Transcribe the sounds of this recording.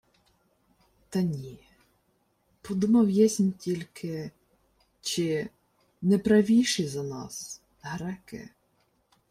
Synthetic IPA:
t̪ɐnʲi | pɔd̪umɐwjɛsʲnʲtʲilʲkʰɪ | t͡ʃɪ | nɛpɾɐʋʲijʃizɐnɑs | ɦɾɛkɪ̰

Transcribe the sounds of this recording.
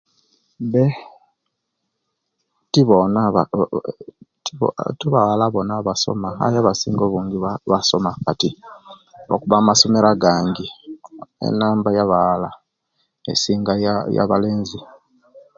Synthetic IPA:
βe | tiβonaa | ttuβaalaβo̞naβaso̞̰maa̰jaβasḭːŋɡoβuːŋɡiaβaso̞makati | o̰kuβamaso̞me̞ɾaɡaːŋɡi | ḛnaːmbajaβala | ḛsiːŋɡaja̰βaleːnzi

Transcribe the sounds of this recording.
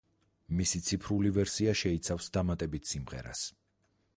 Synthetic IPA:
misit̪sʰipʰɾulivɛɾsiaʃɛit̪sʰafsd̪amat̪ʼɛbit̪ʰsimʁɛ̰ɾa̰s

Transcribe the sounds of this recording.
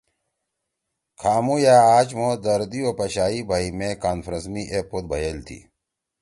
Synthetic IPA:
kʰaːmũjaːaːt͡ɕmoːd̪ɐɾd̪ioːpɐɕaːibʱaːimẽkaːnfɾə̃smiʔepod̪̚bʱɐjelt̪ʰḭː

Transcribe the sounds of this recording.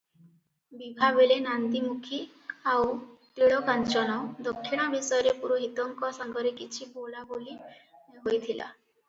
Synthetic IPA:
bibʱabeɭenand̪imukʰi | awt̪iɭɔkant͡ʃɔnɔd̪ɔkʰːiɽ̃abisɔjɔɾepuɾoɦit̪ɔŋkɔsaŋɡɔɾekit͡ʃʰibolaboliɦojt̪ʰila̰

